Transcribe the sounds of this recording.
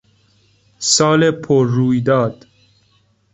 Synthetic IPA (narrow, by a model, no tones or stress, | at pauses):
sɒːlepʰoɾːuːjd̪ɒːd̪̥